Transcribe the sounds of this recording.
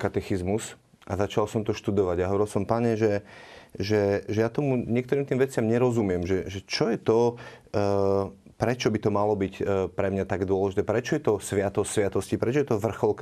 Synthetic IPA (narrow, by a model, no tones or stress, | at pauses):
kat̪ɛxizmus | ʔazat͡ʃalsɔmt̪ɔʃt̪ud̪ɔʋaɟaɦɔʋɔɾilˠsɔmpaɲɛʒɛ | ʒɛʒɛjat̪ɔmuɲɪɛk̚t̪ɔɾiːmt̪iːmʋɛt͡sɪamɲɛɾɔzumɪɛmʒɛʒɛt͡ʃɔjɛt̪ɔ | pɾɛt͡ʃɔbit̪ɔmalɔbicpɾɛmɲat̪aɡd̪ʊɔlɛʒit̪ɛːpɾɛt͡ʃɔjɛt̪ɔsʋɪat̪ɔsɪat̪ɔscipɾɛt͡ʃɔjɛt̪ɔʋr̩xɔlk